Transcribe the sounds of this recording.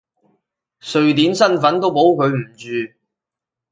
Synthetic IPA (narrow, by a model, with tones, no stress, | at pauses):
sɵ˨ɥt̪iː˨˥nsɐ˥nfɐ˨˥nt̪o˥wpo˨˥wkʰɵ˨˧ɥm̩˨˩t͡ʃyː˨